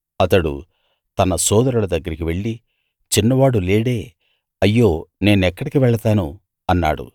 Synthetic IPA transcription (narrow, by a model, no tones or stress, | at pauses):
ɐt̪ɐɽṵ | t̪ɐnɐsɔːd̪ɐɾulɐd̪ɐɡːɐɾikiʋe̞ɭːi | t͡ʃinːɐʋaːɽuleːɽe̞ː | ɐjːo̞ːne̞ːnuɛkːɐɽikiʋɛɭɐt̪aːnu | ɐnːa̰ːɽṵ